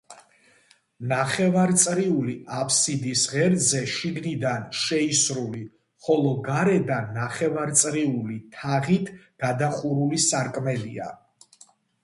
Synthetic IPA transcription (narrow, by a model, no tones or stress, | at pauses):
naχɛvaɾt̪sʼɾiuliapʰsid̪isʁɛɾzɛʃiɡnid̪anʃɛisɾuli | χɔlˠɔɡaɾɛd̪anːaχɛvaɾt̪sʼɾiulit̪ʰaʁit̪ʰɡ̥ad̪aχuɾulisaɾkʼmɛlia̰